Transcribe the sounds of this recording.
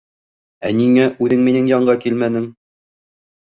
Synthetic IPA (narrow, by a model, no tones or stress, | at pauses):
æniŋæʔʉðɘŋminɘŋjɑɴɢɑkilmænɘŋ